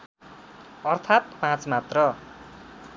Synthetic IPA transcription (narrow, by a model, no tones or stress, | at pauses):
ʌrt̪ʰat̪̚pãt͡smat̪rʌ